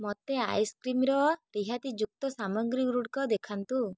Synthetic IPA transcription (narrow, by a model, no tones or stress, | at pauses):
mɔt̪ea̰jskɾimɾɔɾiɦat̪id͡ʒuk̚t̪ɔsamɔɡɾiɾuʈkɔd̪ekʰant̪u